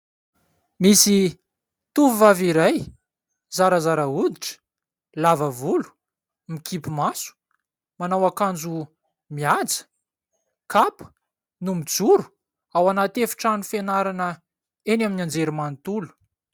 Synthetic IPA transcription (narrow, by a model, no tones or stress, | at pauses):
misi | t̪uvuvaviɾaj | zaɾəzaɾəud̪iʈ͡ʂə̥ | lavəvulu̥ | mikʰipimasu̥ | manawakand͡zu | miad͡zə̥ | kapə̥ | numid͡zuɾu̥ | awanat̪efu̥ʈ͡ʂanufenaɾanə | enaminand͡zeɾimanit̪ulu̥